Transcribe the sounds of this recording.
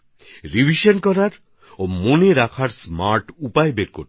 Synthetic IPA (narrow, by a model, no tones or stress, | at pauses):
ɾibʱiʃonkɔɾaɾ | omoneɾakʰaɾsmaɾʈupaebeɾkoɾ